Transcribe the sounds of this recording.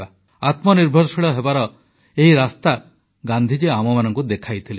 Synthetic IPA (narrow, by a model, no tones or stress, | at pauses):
a | at̪mɔniɾbʱɔɾsiɭɔɦebaɾɔ | eɦiɾast̪a | ɡand̪ʱid͡ʒeamɔmanɔŋkud̪ekʰajt̪ʰile